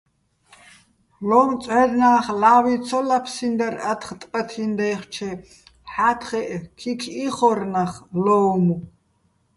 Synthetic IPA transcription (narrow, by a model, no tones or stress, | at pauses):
lɔmt͡sʼʕɛd̪naːχlawit͡sʰɔlapʰsind̪aɾat̪ʰχt̪ʼpʼɐt̪ʰind̪ɛjχt͡ʃʰɛ | ħat̪ʰχɛʔkʰikʰiχɔrnaχlɔwmu